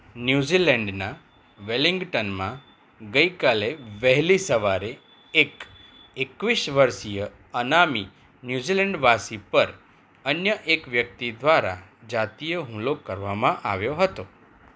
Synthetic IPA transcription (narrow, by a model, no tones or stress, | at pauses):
njuzilɛɳɖna | ʋeliŋɡʈənmã | ɡəikaleʋəɦlisəʋaɾe | ek | ekʋiʃʋəɾʃijə | ənami | njuzilɛɳɖʋasipəɾ | ənjəʔekʋjək̚t̪id̪ʋaɾa̰d͡ʒat̪ijəɦũlokəɾʋamãʔaʋjoɦət̪o